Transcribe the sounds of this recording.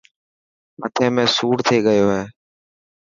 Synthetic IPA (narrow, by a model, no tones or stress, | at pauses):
mət̪ʰẽːmẽːsuːɽt̪ʰeːɠəjoːɦeː